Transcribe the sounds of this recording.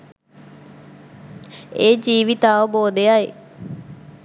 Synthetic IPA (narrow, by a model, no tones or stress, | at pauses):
eːd͡ʒiːʋit̪aaːʋəboːd̪ejaj